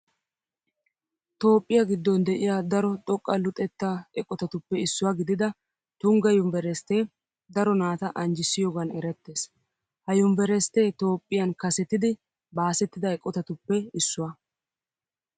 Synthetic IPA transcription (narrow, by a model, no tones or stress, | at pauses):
t̪o̞ːpʼːɪjaɡɪd̪ːɔnd̪ɛʔɪjad̪ɐɾɔt̪ʼɔkʼːɐlʊt̪ʼɛt̪ːaɛkʼːɔt̪ɐt̪ʊpːɛɪsːʊwaɡɪd̪ɪd̪ɐ | t̪ʊŋɡɐjʊmbɛɾɛst̪eː | d̪ɐɾɔnaːt̪ɐʔɐnd͡ʒɪsːɪjoːɡɐnɛɾɛt̪ːe̞ːs | hɐjʊmbɛɾɛst̪e̞ːt̪o̞ːpʼːɪjɐnkɐsɛt̪ːɪd̪ɪ | baːsɛt̪ːɪd̪ɐɛkʼːɔt̪ɐt̪ʊpːɛɪsːʊwɐ